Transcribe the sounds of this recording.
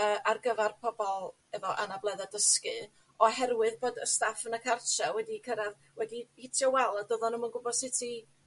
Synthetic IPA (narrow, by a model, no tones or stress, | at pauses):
əːʔarɡəvarpʰɔbɔlˠ | ɛvɔʔanablˠɛðadəskɨ | ɔɦɛrwɨðboːdəstafənəkʰartawɛdikʰəɾað | wɛdihɪtʰjɔwɛlˠədoðɔnəmənɡʊbɔd̥sɪtʰi